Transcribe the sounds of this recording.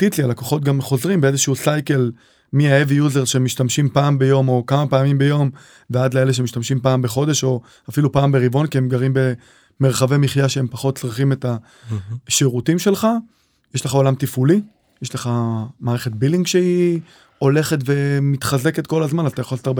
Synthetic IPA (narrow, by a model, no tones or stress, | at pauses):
t̪itlialakoχo̞t̚ɡamχo̞zʁimbeezeʃɛusajke̞l | miaevijuzeʁʃemiʃtamʃimpaːmbe̞jo̞mo̞kamapeamimbe̞jo̞m | veadleeleʃ̬emiʃtamʃimpaːmbeχo̞de̞ʃo̞ | afilupaːmbeʁibo̞nkiemɡaʁimbe̞ | meʁχavemiχjaʃeempaχo̞t̚t͡sʁiχime̞ta | ʃeʁutimʃe̞lχa | jeʃleχao̞lamt̪ifuli | jeʃleχamaːʁeχe̞t̚biliŋɡʃei | o̞le̞χe̞tve̞mit̪χaze̞ke̞tko̞lazmanazat̪ajaχoltaʁbe